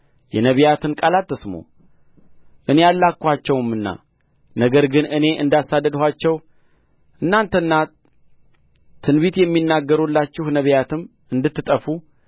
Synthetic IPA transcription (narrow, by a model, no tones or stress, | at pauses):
jɛnəβijat̪ʰɨnkʼalat̪ːɨsmo̰ | ʔɨne̞alːakːʷat͡ʃːɛwɨmːɨnːa̰ | nəɡəɾɡɨnɨne̞ʔɨnd̪asad̪ːəd̪hʷat͡ʃːɛw | ʔɨnːant̪ʰənːa | t̪ʰːɨnβit̪jɛmːinːaɡːəɾulːat͡ʃːɪhnəβjat̪ʰɨm | ɨnd̪ɨt̪ːɨt̪ʼəfu